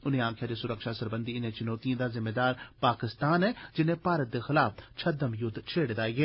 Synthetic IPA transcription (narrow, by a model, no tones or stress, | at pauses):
ʊnɦẽãːkʰjad̪esʊɾəkʃasɐɾbə̃nd̪iɪnɦẽt͡ʃʊnoːt̪ijõd̪azɪmːed̪aːɾpaːkɪst̪aːnɦɛd͡ʒɪnɦẽpaːɾət̪̚d̪exɪlaːft͡ʃʰɐd̪əmjʊd̪ʱːt͡ʃʰeːɽed̪aːiɡeː